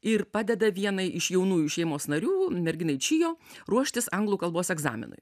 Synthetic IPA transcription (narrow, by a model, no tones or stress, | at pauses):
ɪɾpɑːd̪ʲɛd̪ɐʋʲiɛnɐɪʔɪʃjɛʊnuːjuːʃʲɛɪmoːsnɐɾʲuːmʲɛɾʲɡʲɪnɐɪt͡ʃʲɪjoːɾuɔʃʲt̪ʲɪsɐŋɡlˠuːkɐlˠboːsɛɡzɑ̰ːmʲɪ̰nʊ̰ɪ